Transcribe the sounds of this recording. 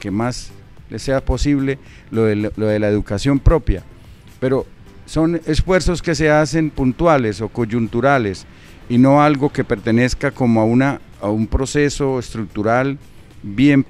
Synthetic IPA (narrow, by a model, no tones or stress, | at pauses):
kemas | lese̞apo̞siβle̞ | loðeloðe̞laeðukasjo̞mpɾo̞pja | pe̞ɾo̞ | so̞ne̞sfwe̞ɾso̞ske̞s̬e̞ase̞mpunt̪wale̞so̞ko̞ʝunt̪uɾale̞s | ino̞alɡo̞ke̞pe̞ɾt̪e̞ne̞skako̞moaunaː | umpɾo̞se̞so̞est̪ɾuk̚t̪uɾal | bje̞m